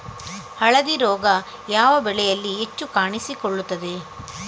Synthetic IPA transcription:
hɐɭɐd̪iɾɔːɡɐ | jaːʋɐbɛɭɛjɐlːiet͡ʃːukaːɳisikoɭːut̪ːɐd̪e

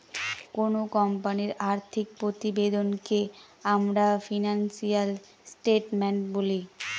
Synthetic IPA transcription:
konokɔmpaniɾaɾt̪ʰik̚pɾot̪ibed̪onke | amɾafinansial | sʈeʈmeɳʈboli

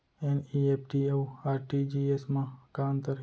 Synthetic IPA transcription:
eniepʰʈiewaːɾʈid͡ʒiesmãkaːnt̪əɾ

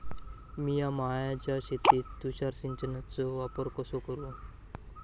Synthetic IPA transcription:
miːjamaɦajat͡ɕaɕet̪iːt̪ːuɕaɾsiɲt͡ɕənat͡sɔʋapəɾkəsokəɾu

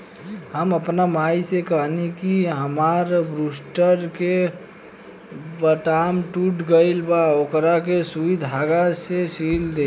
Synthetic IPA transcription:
ɦəməpnamajsekəɦnikiɦəmaɾbɾusʈəɾke | bəʈamʈuʈɡəɪlbaokɾakesuid̪ʱaɡasesild̪e

